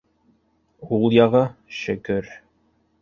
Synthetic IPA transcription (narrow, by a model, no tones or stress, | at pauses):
ulˠjɑʁɤʃɘ̆kɘɾ